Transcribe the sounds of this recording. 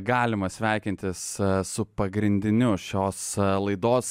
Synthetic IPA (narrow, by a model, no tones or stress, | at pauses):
ɡɑːlʲɪmɐsʲʋʲæˑɪkʲɪnʲt̪ʲɪssʊpɐɡɾʲɪnʲd̪ʲɪnʲʊʃʲoːslˠɐɪd̪oːs